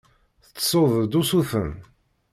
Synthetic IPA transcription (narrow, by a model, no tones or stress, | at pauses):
θət͡sːsˤoðˤd̪usufən